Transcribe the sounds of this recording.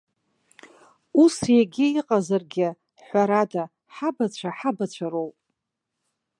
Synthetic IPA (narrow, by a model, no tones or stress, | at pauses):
usjaɡʲɪiqʼazarɡʲɪ | ħʷaɾada | ħabat͡ɕʷʰaħabat͡ɕʷʰaɾowpʼ